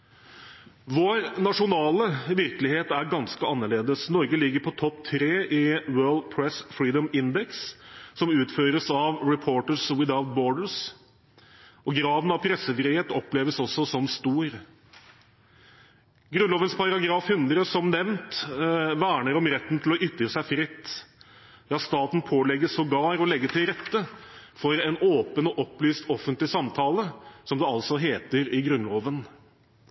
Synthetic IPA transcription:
ʋoːɾnɑʂʊnɑːləʋɪɾklɪheːt̪æɾɡɑnskəɑnːəɭeːd̪əsnɔɾɡəlɪɡːəɾpʰɔt̪ʰɔpt̪ʰɾeːʔɪwɜːɭd̪̚pʰɹɛsfɾiːd̪əmɪnd̪ɛksːɔmʉːt̪føːɾəsɑʋɹɛpʰoːʈəswɪd̪aʊt̪̚bɔːɖəs | ɔɡɾɑːd̪n̩ɑʋpʰɾɛsːəfɾiːheːt̪ɔpleːʋəsɔsːɔsɔmst̪uːɾ | ɡɾʉnloːʋənspʰɑɾɑɾɑɡɾɑːfhʉnd̪ɾəsɔmnɛʋnt̪ʋæːɳəɾɔmɾɛt̪ːn̩t̪ʰɪlɔʔʏt̪ːɾəsæɪfɾɪt̪ː | jɑːst̪ɑːt̪n̩pʰoːlɛɡəsɔɡɑːɾɔlɛɡːət̪ʰɪlɾɛt̪ːəfɔɾɛnoːpənɔʔɔpːlyːst̪ɔfənt̪lɪsɑmt̪ʰɑːləsɔmd̪ɛɑlsɔɦeːt̪əɾɪɡɾʉnloːʋən

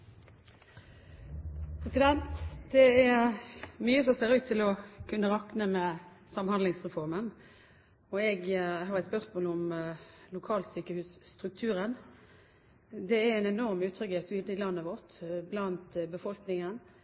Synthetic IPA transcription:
pʰɾɛsɪd̪ɛnt̪d̪̥ɛæʁmyːəsɔmseːʁʉːt̪ʰːɪlɔkʰʉnːəʁɑknəmɛ | sɑmhɑnd̪lɪŋsʁɛfɔʁmən | ɔɛɡɦɑʁɛt̪spœʁsmoːlɔmlʊkʰɑːlsyːkəhʉːsːt̪ʁʉk̚t̪ʰʉːɾən | d̪ɛææɪnɛnɔʁmʉːt̪ʰɾʏkɪɛt̪yːd̪əɪlɑnːəʋɔʁt̪blɑnt̪bəfɔlknɪŋən

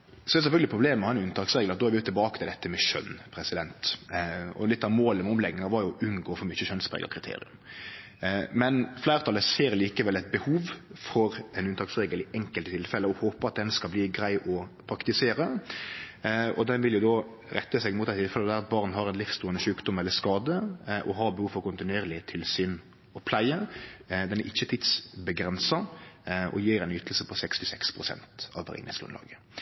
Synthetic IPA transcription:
sɔdɛɾsɛfœlɡəlɪpʰɾʊbleːmmɛhɑɛnʉnt̪ʰɑːksʁeːɡlɑt̪d̪ɔːæɾʋɪʉt̪ʰːɪlbɑːkət̪ɪlɛt̪ːəmɛʃœ̰npʰɾɛsɪd̪ɛnt̪ | ɔ̰lɪt̪ːɑʋmoːləmɛɔmlɛɡnɪŋɑɾʋɑɾjʊʔʉnɡoːfɔɾmʏçəʃœnspɾḛːɡə̰kʰɾɪt̪ʰḛːɾɪ̰ʉ̰m | mɛnflæɪɾət̪ʰɑləseːɾliːkəʋɛlɛt̪̚bəhuːʋfɔɾɛnʉnt̪ʰɑːksʁeːɡəlɪʔɛŋkəlt̪ət̪ɪlfɛləɔhoːpəɑt̪̚d̪ɛnskɑlbliːɡɾæɪʔɔpʰɾɑkt̪ɪseːɾə | ɔ̰d̪ɛnʋɪljʊd̪ɔ | ɾɛt̪ːəsɛɡmut̪æɪt̪ʰɪlfɛləd̪æɾɑt̪̚bɑʁnhɑɾɛnlɪfst̪uːənəʃʉːkd̪ʊmɛlːəʂkɑːd̪əʔɔɦɑɾbəhuːʋfɔɾkʊnt̪ɪnʉeːɾlɪt̪ʰɪlsʏn | ɔpʰlæɪəd̪ɛnæɾʔɪçːət̪ʰɪd̪sbəɡɾɛnsɑʔɔ̰jiːɾɛɪnʏt̪l̩səpʰɔsɛkst̪ɪsɛkspʰɾʊsɛ̰nt̪ɑʋʋɛ̰ɾɪ̰ŋnɪ̰slʊ̰nlɑ̰ːɡə

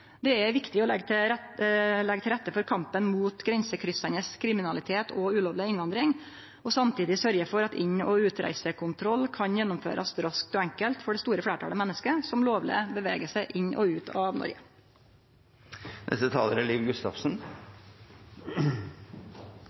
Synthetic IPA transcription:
d̪ɛɛʋɪkt̪ɪɔɛɡ̪ | lɛɡət̪ɪlɾɛt̪ːəfɔɾkʰɑmpənmuːt̪ɡɾɛnsəkʰɾʏsɑnəskʰɾɪmɪnɑlɪt̪ʰeːt̪ʰɔʉːloːʋlɪɪnʋɑnd̪ɾɪŋ | ɔsɑmt̪ʰiːd̪ɪsœɾɡəfɔɾɑt̪ɪɲːɔʉːt̪ɾæ̰ɪsəkʰʊnt̪ʰɾɔlːkʰɑnjɛnːɔmfø̰ːɾʔɑsɾɑsk̚t̪ɔɛŋkəlt̪fɔɖɛst̪uːɾəflæːʈʰɑ̰ːləmɛnːəskəsɔmloːʋlɪ̰əbəʋḛːɡəsəʔɪɲʔɔ̰ʉːt̪ʰɑʋnɔ̰ɾɡə | nʔɛ̰st̪ət̪ʰɑ̰ːləɾəliːʋɡʉst̪ɑ̰fsn

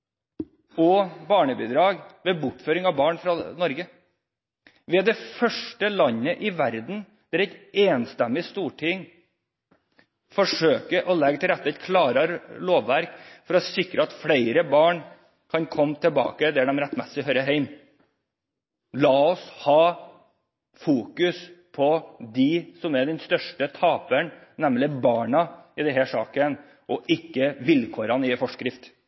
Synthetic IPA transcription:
ɔbɑːɳəbid̪ɾɑːɡʋɛbʊʈføːɾɪŋɑʋbɑːɳfɾɑnɔɾɡə | ʋɛd̪ɛfœʂʈəlɑɲːəʔɪʋæɾd̪n̩ | d̪̥æɾɛt̪eːnst̪ɛmːɪst̪uːʈʰɪŋ | fɔʂøːkəʔɔlɛɡət̪ʰɪlɾæt̪ːəɛt̪kʰlɑːɾəɾloːʋʋæɾkfɔɾɔsɪkɾəɑt̪fɽeɪɾəbɑːɳ | kʰɑnkʰɔmːt̪ʰəlbɑ̰ːkəd̪ɛæɖɛmɾɛt̪ːmɛsɪɦœʏɾəɦæɪm | lɑːɔshɑː | fuːkʉspʰɔd̪ɪsɔmæd̪ɛnst̪œʂʈət̪ʰɑːpəɳnɛmlɪbɑːɳɑɪd̪ɛɦæʂɑːkən | ʔɔʔɪkːəʋɪlkʰoːɾɑnɪfɔʂkɾɪft̪

